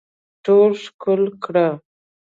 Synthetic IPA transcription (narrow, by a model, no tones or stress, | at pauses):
ʈolʂkʊlkɽa